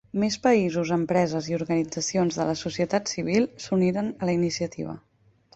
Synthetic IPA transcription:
mespəizuzəmpɾɛzəziuɾɣənid͡zəsionzðələsusiət̪at̪siβ̞ilˠsuniɾənələinisiət̪ḭβ̞ə̰

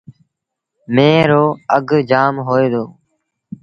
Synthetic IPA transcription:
mẽːɾoːəɡʱd͡ʒaːmɦoːeːd̪oː

